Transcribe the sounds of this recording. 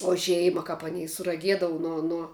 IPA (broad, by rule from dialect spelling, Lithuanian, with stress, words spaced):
oː ˈʒʲɛɪmɐ kɐp ɐˈnʲɛɪ sʊrɐˈɡʲiɛdɐʋɐ ˈnuɔ ˈnuɔ